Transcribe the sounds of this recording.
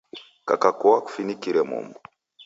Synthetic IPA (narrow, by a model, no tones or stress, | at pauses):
ka̰kakuwaku̥finikiɾɛmṵmbu